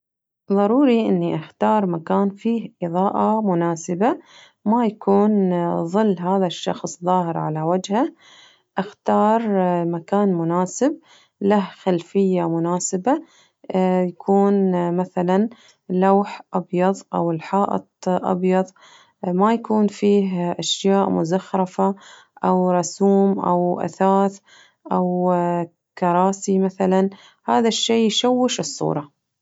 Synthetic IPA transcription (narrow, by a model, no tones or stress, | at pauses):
ðˤɑɾˤuːɾiʔɪnːiʔaxt̪ɑːɾˤmakaːnfiːhʔɨðˤɑːʔamʊnaːsɪba | majakuːnðˤɨlːɦaːðaʃːɑ̰xsˤðˤɑːɦɪɾʕalawad͡ʒha | ʔɪxt̪ɑːɾˤmakaːnmʊnaːsɪb̚ | lahxalfɪjːamʊnaːsɪba | jakʰuːnmaθalan | lawħʔɑbjɑðˤʔawɪlħaːʔɑ̰t̪ˤʔɑ̰bjɑðˤ | majakuːnfiːɦʔaʃjaːʔmʊ̰zaxɾˤɪfa | ʔawɾˤɑsuːmʔa̰wʔa̰θaːθ | ʔaw | kɑɾˤɑːsimaθalan | haːðaʃːeːjʃawːɪʃɨsˤːṵːɾˤɑ